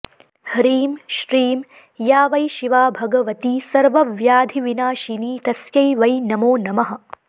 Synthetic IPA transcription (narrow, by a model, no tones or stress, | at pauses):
hɾiːmʃɾiːm | jaːʋɐjʃiʋaːbʱɐɡɐʋɐt̪isɐɾʋɐʋjaːd̪ʱiʋinaːʃiniːt̪ɐsjɐjʋɐjnɐmoːnɐmɐɦɐ̆